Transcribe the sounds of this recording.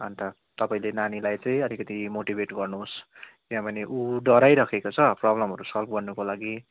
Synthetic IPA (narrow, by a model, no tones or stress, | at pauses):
ʌnt̪ʰa | t̪ʌpaĩlenanilajt͡saĩʌlikʌt̪imoʈibʱeʈɡʌrnuɦos | iãbʌneʔuɖʌɾajɾʌkʰekot͡sʰʌprʌblʌmɦʌɾusʌlpʰɡʌrnukolaɡi